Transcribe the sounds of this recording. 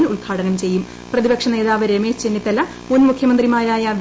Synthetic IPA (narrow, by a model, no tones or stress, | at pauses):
nuɭɡʰaːɽɐnɐmt͡ɕe̞jːum | prɐðibɐkʂɐne̞ːðaːʋɐɾemeːst͡ɕenːit̪ːɐlːɐ | munmukʰjɐmɐnd̪rimaːɾaːjɐd̪ʱ